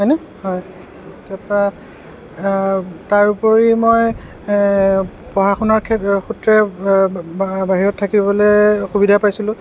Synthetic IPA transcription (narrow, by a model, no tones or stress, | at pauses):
ɦɔjnɛ | hɔj | tapa | taɹupɔɹimoj | pɔɦaxunaɹkʰɛxutɹɛ | baɦiɹɔtʰːakibɔlɛxubidʱapajsilʊ̃